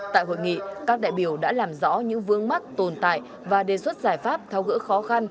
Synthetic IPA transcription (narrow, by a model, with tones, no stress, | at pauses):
t̪a̰ː˧˨jho̰˧˨jŋḭ˧˨kaː˦˥k̚ɗa̰ː˧˨jɓi˧˩əwɗa̰ː˧˥laː˨˩mzɔ̰˧˥ɲɨ̰˧˥ŋvɨ˧əŋma˦˥k̚t̪o˨˩nt̪a̰ː˧˨j | vaː˨˩ɗe˨˩swə˦˥t̚zaː˧˩jfaː˦˥p̚t̪ʰɛ˧wɣɨ̰˧˥xɔ˨˦xa˧n